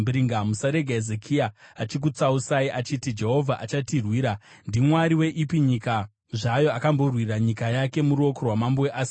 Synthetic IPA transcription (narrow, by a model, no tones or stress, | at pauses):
bɾiŋɡamusaɾe̞ɡʱaezekʰiaat͡ʃik̬ut͡sausaiʔat͡ʃitid͡ʒe̞ɦo̞vʱaʔat͡ʃatirwiːɾandimwaɾiwe̞ʔipiɲika | ʐajo̞akambo̞rwiraɲikajake̞muɾuo̞korwamamboweʔaːsi